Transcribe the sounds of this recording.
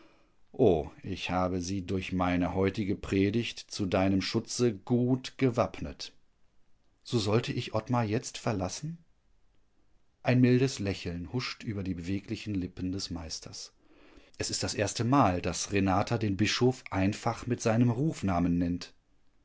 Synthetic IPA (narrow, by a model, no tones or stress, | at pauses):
ʔoːʔɪçhaːbəziːdʊɐçmaɪnəhɔʏtɪɡəpʁ̥eːdɪçtt͡sudaɪnəmʃʊt͡səɡ̥uːtɡ̥əvapnət | z̥oːzɔltəʔɪçʔɔtmajɛt͡stfɛɐlasn̩ | ʔaɪnmɪldəslɛçl̩nhʊʃtʔyːbɐdiːbəveːklɪçn̩lɪpn̩dɛsmaɪstʰɐs | ʔɛsɪstd̥asʔeːɐstəmaːldasʁenaːtʰadeːnbɪʃoːfʔaɪnfaχmɪtz̥aɪnəmʁuːfnaːmənːɛnt